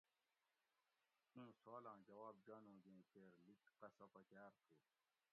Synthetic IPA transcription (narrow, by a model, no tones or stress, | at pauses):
t̪ũːsoːlãːd͡ʑɐwaːb̚d͡ʑaːnũːd͡ʑẽːkeːɾlikqɐsɐpɐt͡ɕaːɾt̪ʰuː